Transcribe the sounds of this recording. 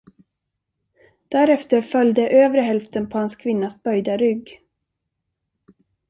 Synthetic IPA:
d̪̥æɾɛft̪əɾfœljd̪əʔøːvɾəɦɛlft̪ənpʰɔhanskʰvɪnːasbœjd̪aɾʏɡː

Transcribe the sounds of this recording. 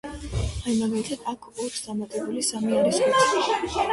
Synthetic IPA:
ajimaɡalit̪ʰad̪̥akʰɔt̪ʰd̪̥amat̪ʼɛbulisamiaɾisɔiʃ

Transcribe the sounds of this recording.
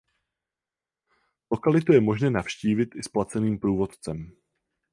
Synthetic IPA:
lo̞kalɪt̪ujɛmo̞ʒnɛːnafʃciːvɪt̪ʔɪsplat͡sɛniːmpɾuːvo̞t̪t͡sɛm

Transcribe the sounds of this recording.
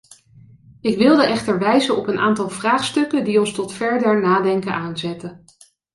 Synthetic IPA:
ɪkʋɪlˠdəʔɛχtəɹʋɛjzənɔpənʔaːntɑlˠvraːχstɵkəndiɔnstɔtfɛɹdəɹnaːdɛŋkənʔaːnzɛtə

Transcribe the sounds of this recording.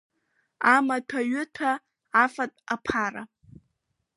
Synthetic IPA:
amatʷʰaɥʏtʰaː | fatʼapʰaɾa̰

